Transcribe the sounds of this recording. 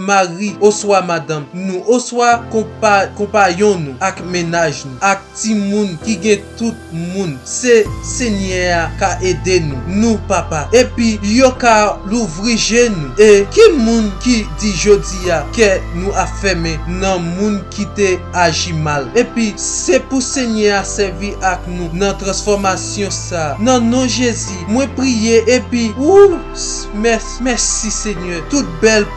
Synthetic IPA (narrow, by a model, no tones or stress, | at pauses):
maʁioswamadãmnũʔoswakɔ̃pkɔ̃pajɔ̃nũakmenaʒnũak̚timũnkiɡɛ̃t̪ut̪̚mũnseseɲɛakaʔedenũnũpapaepijokaluvʁiʒenũekimũnkidiʒodiakenũafɛmɛ̃nɐ̃mũnkit̪e | aʒimalepisepuseɲɛasɛʁviʔaknũnɐ̃t̪ʁɐ̃sfɔʁmasjɔ̃sanɐ̃nɔ̃ʒezimwɛ̃pʁijeʔepiu | mɛ | mɛsiseɲœt̪ut̪̚bɛl